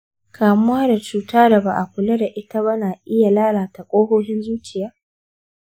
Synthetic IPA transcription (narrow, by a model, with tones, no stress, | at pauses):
kʰaː˨mʊ˦waː˦da˨t͡ʃuː˦taː˦da˨ba˨ʔa˨kʷʊ˨le˦da˨ʔɪ˦ta˦βa˦naː˨ʔɪ˦ja˨laː˦ɽaː˨ta˨kʷʼoː˦hoː˦ɦɪ˦nzuː˦t͡ʃʲɪ˨jaː˦